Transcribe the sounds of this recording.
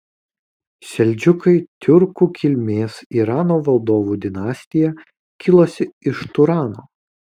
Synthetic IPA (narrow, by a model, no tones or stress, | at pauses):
ʃʲɛlʲˑd͡ʒʲʊkɐɪt̪ʲʊɾkuːkʲɪlʲmʲeːsiːɾɑːnoːʋɐlˠd̪oːʋuːd̪ʲɪnɑːsʲt̪ʲɪjɛ | kʲɪlˠoːsʲɪɪʃt̪ʊɾɑːnoː